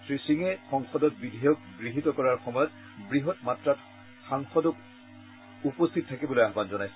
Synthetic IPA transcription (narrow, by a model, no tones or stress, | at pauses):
sɹisiŋɛxɔŋxɔdɔt̚bidʱijɔk̚ɡɹiɦitɔkɔɹaɹxɔmɔjɔt̚ | bɹiɦɔtmatɹat | xaŋxɔdɔk | upost̪ʰitɔtʰakibɔlojaɦbanzɔnajsɛ̥